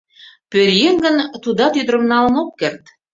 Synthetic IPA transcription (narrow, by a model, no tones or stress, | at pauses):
pøɾjeŋɡə̆nt̪ud̪ɑt̪yd̪ɾə̆mnɑlənokːert̪